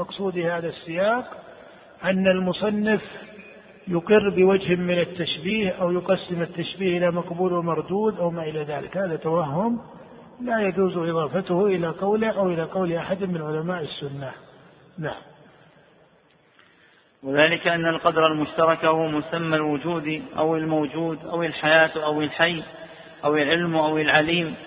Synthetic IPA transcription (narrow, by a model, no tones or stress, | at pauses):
mɑqsˤuːd̪ɪhaːðasːɪjɑːq | ʔanːalmʊsˤɑnːɪf | jʊqɪrːbɪwad͡ʒhɪmɪnat̪ːaʃbiːhʔawjʊqɑsːɪmat̪ːaʃbiːhʔɪlamɑqbuːlhmɑɾˤd̪uːd̪ʔawmaʔɪlaðaːlɪ̰khaːðat̪ːawaɦːʊm | lajad͡ʒuːzʔɪðˤɑːfat̪ʊhʔɪlaqɑwlɪʔawʔɪlaqɑwlʔaħad̪mɪnʕʊlamaːʔɪsːʊnːa | naʕa̰m | wɪðaːlɪkaʔanːalqɑd̪ɾˤalmʊʃt̪ɑɾˤɑkahʊmʊsamːalwʊd͡ʒuːd̪iʔa̰wɪlmawd͡ʒuːd̪ʔawɪlħajaːt̪ʔawɪlħajː | ʔawɪlʕɪlmʔawɪlʕaliːm